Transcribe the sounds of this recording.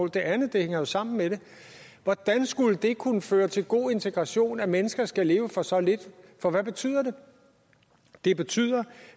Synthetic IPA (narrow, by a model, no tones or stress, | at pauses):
ɔ̰ːld̥e̝ʔænð̩ˠd̥e̝heŋ̰ɐjo̝sɑ̈m̰n̩meɾ̥e̝ | ʋɒd̥ænsɡ̥uləd̥e̝kʰunəføːɐt͡sʰe̝lɡ̥o̝̰ːe̝nt͡sʰe̝ɡ̥ʁɑ̈ɕo̝̰ːnæmenəsɡ̥ɐsɡ̥æle̝ːʊəfɒ̽sɒ̽le̝d̥fɒ̽ʋæb̥e̝t͡sʰy̰ːð̰ˠɐd̥e̝ | d̥e̝b̥e̝t͡sʰy̰ːð̰ˠɐ